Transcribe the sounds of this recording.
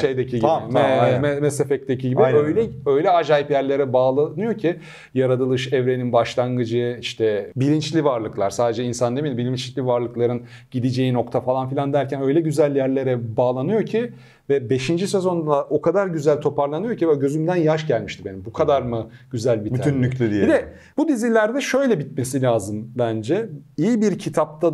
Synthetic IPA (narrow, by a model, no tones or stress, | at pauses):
ʃejd̪ecʰiɟ̪imɛmɛmɛsefɛc̚t̪ecʰiɟibiøjlʲɛø̞jlʲɛad͡ʒaːjipjæɾlʲe̞ɾɛbaːlˠanɯjocʰi | jaɾad̪ɯlˠɯʃɛvɾe̞ninbaʃlˠaŋɡɯd͡ʒɯiʃt̪ʰɛbilʲint͡ʃlʲivaɾlˠɯklˠaɾ̥saːd̪ed͡ʒɛinsand̪emild̪ʲimbilʲint͡ʃʲlʲivaɾlˠɯklˠaɾɯn | ɟ̥id̪id͡ʒe̞jino̞kt̪ʰafalˠanfilʲand̪æɾcʰænø̞jlʲɛɟyzælʲjæɾlʲe̞ɾɛbaːlˠanɯjo̞ɾcʰi | vɛbe̞ʃind͡ʒise̞zo̞nd̪aʔo̞kʰad̪aɾɟyzælʲt̪ʰo̞pʰaɾlˠanɯjo̞ɾcʰivɛɟø̞zymd̪ænjaʃɟælʲmiʃt̪ʰimbe̞nimbukʰad̪aɾmɯɟyzælʲbitbyynːylʲed̪ijid̪ɛ | bud̪izilʲæɾd̪ɛʃø̞jlʲɛbit̪̚me̞silʲaːzɯmbænd͡ʒɛijibiɾcʰit̪ʰap̚t̪ʰa